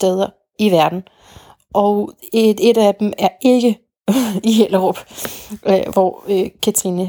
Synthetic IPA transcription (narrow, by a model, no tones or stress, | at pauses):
sd̥eð̞ˠɐ | iʋæɐd̥n̩ | ʔɒ̽ʊ | e̝dæd̥emæɐe̝ɡ̥ə | iɦel̰əʁɔb̥ | ʋɒ̰økʰæt͡sʰʁinə